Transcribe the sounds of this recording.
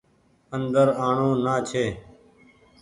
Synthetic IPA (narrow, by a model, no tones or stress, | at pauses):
ənd̪əɾaːɳõːnaːt͡ʃʰeː